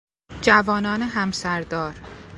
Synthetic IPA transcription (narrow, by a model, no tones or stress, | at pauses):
d͡ʒævɒːnɒːneɦæmsæɾd̪ɒːɾ